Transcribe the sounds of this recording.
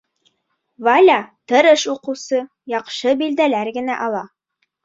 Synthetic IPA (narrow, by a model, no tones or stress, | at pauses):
vɑlʲɑt̪ɤɾɤʃuqɤ̆wsɤ | jɑqʃɤbild̪ælæɾɡɘ̆næ̰ʔɑlˠɑ